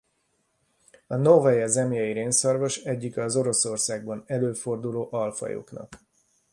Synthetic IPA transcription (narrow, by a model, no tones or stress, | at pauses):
ɒnovɛjɛzɛmjɛjiɾeːnsɒrvoʃɛɟːikɒzo̞ɾo̞so̞rsaːɡ̚bɒnɛløːfo̞rd̪uloːʔɒlfɒ̰jo̰knɒ̰k